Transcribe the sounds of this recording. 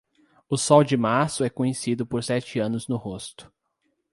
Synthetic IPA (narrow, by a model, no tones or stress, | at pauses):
ʊsɔwd͡ʒɪmaɾsʊɛkõɲesid̪ʊpoɾsɛt͡ʃɪɐ̃nʊznʊhost̪ʊ̥